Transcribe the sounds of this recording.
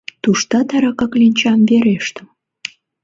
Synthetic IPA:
t̪uʃt̪ɑt̪ɑɾɑkɑklinʲt͡ɕɑnβeɾeʃt̪əm

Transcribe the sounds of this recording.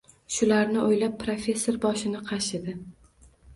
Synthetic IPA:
ʃʊlaɾnɪʔojlap̚ːɾofʲe̞sːo̞ɾbɒʃɪnɪqʰɑʃɪd̪ɪ

